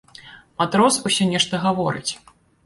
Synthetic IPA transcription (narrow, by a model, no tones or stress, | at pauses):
mat̪ɾɔsusʲɔnʲɛʂt̪ɐɣavɔɾɨ̰t͡sʲ